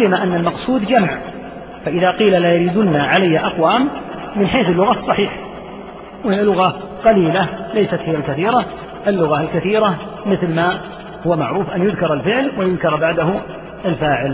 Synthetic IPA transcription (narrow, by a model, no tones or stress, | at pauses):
ɪmaʔanːalmɑqsˤuːd̪d͡ʒamʕ | faʔɪðaqiːlalajaɾiːd̪ʊnːaʕalajːaʔɑqwaːmː | ɪnħeːθɪlːʊɣɑsˤːɑħiːħ | wlːʊɣa | qɑliːlalajsat̪hɪjːalkaθiːɾa | ʔɪlːʊɣaɪlkaθiːɾa | mɪθlma | hʊwːamaʕɾuːfʔanjʊðkɑɾˤalfɪʕlwajʊðkɑɾˤbaʕd̪ahʊ | ʔalfaːʕɪl